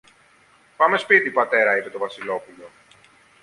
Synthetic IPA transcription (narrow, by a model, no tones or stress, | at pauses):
pame̞spit̪ipɐt̪e̞ɾɐipe̞t̪ovɐsilo̞pulo̞